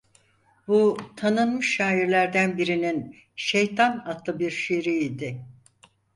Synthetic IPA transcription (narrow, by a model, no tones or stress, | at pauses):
but̪ʰanɯnmɯʃːaːiɾlʲæɾd̪ænbiɾinin | ʃejt̪ʰanat̪lˠɯbiɾʃiɾiid̪ɪ